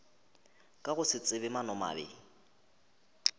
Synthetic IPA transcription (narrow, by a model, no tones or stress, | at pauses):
kʼaɣʊsɪt͡sʼɪβɪmanɔma̰ːbɪ̰